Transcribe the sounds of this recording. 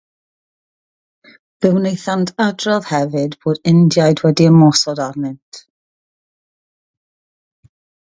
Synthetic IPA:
b̥ɪwnejθantʰadrɔðhɛvɨdb̥oːdɪndjajdwɛdiəmɔsɔdarnɪntʰ

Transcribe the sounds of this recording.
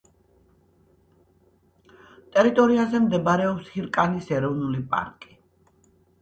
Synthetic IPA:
t̪ʼɛɾit̪ʼɔɾiazɛmd̪ɛbaɾɛɔpshiɾkʼanisɛɾɔvnulipʼa̰ɾkʼi̥

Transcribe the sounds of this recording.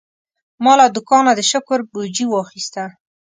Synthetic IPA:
mɑlad̪ʊkɑnad̪əʃʊkʊɾbud͡ʒiwɑxist̪a

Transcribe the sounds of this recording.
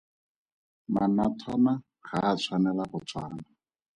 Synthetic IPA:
manatʰɔna | χaːt͡sʰwanɛlaχʊt͡sʰwa̰ːna

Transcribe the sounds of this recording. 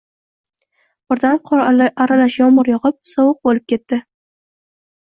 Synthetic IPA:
b̥ɪɾd̪anqʰaɾalaʃjɒmʊɾjɒʁɨp̚sɒwʊq̚bolɪp̚kʲʰe̞t̪ːɪ

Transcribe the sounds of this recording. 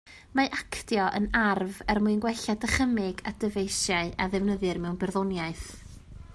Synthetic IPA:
maʔakʰdjɔʔə̰narvɛrmuɨnɡwɛɬadəχəmɪɡadəvejsjaɨʔaðɛvnəðɨrmɛwnbɛrðɔnjaɨθ

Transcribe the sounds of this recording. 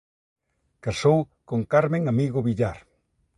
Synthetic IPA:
kasow | koŋkaɾmẽŋamiɣoβiʎaɾ

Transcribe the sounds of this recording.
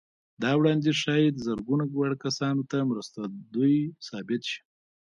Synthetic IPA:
d̪ɑwɽɑnd̪eʃɑjed̪zəɾɡunaɡwaɽkasɑnot̪amɾəst̪ad̪ujsɑbɪt̪ʃi̥

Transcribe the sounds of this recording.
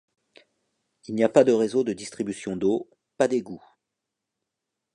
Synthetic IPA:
ilniapad̪əʁezod̪əd̪ist̪χibysjɔ̃d̪o | pad̪eɡu

